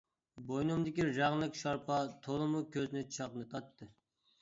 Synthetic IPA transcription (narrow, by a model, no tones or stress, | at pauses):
bojnumd̪ɪkʲiɾɑʁlˠəkʃɑɾpʰɑt̪ʰolˠɨmukʲʰøznɪt͡ʃʰɑqnɨt̪ʰɑt̪ʰːɨ